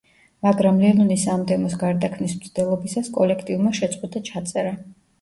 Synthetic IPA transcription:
maɡɾamlɛnunisamd̪ɛmɔs̬ɡaɾd̪akʰmnismt̪sʰd̪ɛlˠɔbisaskʼɔlɛkʰt̪ʼivmaʃɛt̪sʼqʼwɛd̪at͡ʃʰat̪sʼɛɾa

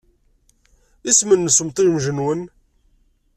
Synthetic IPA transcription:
ismənːəsəmt̪ˤiɾmʒənwən

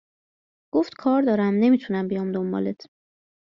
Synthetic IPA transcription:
ɡ̥oft̪kʰɒːɾd̪ɒːɾæmne̞miːt̪ʰunæmbijɒːmd̪ombɒ̰ːlet̪ʰ

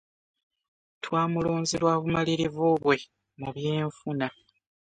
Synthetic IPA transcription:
twaːmuloːnziɾwaːβumaliɾivuβwe̞ | muβjeːɱfuna

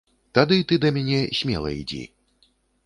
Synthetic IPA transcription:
t̪ad̪ɨit̪ɨd̪ɐmʲanʲɛsʲmʲɛlˠɐ̰ḭd͡zʲḭ

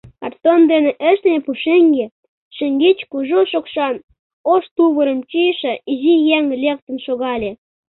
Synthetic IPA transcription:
kɑrt̪ond̪eneʔəʃt̪nʲepuʃeŋɡe | ʃə̆ŋɡit͡ɕkuʒoʃokʃɑn | oʃt̪uβəɾəmt͡ɕiʃĕizijæŋlʲek̚t̪ə̆nʃoɣɑlʲe

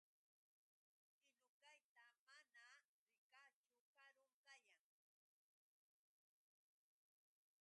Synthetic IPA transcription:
ɪʎʊkajt̪amana | ɾɪkat͡ʃʊkaɾʊŋkajaŋ

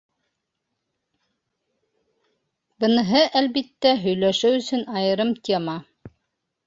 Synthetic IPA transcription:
bɤ̆nɤ̆ɦɤʔælβit̪ːæɦɵ̆jlæʃɘwɵ̆sɵnɑjɤ̆ɾɤmt̪ʲʰemɑ

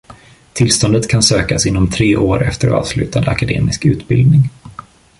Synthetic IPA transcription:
t̪ʰɪlst̪ɔnd̪ət̪kʰansøːkasɪnːɔmt̪ʰɾeːʔoːɾɛft̪əɾɑ̰ːv̥slʉ̟ːt̪and̪əakad̪ḛːmɪskʉ̟ːt̪bɪld̪nɪŋ

